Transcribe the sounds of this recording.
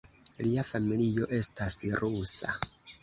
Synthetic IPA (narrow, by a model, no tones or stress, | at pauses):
liafamilio̞ʔe̞stʰasiɾusa̰